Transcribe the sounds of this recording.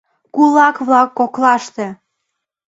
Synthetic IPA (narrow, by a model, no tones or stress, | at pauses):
kulɑkβlɑkːoklɑʃt̪e